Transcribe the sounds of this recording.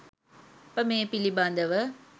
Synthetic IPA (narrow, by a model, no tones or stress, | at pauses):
pəmeːpiliband̪əʋə